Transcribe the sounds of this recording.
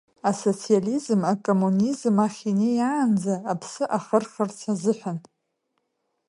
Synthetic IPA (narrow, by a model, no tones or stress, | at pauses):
aso̞t͡sʰializmakʼo̞munizmaχʲinejaːnd͡zaːpʰsɨʔaχərχərt͡sʰazɨħʷᶣan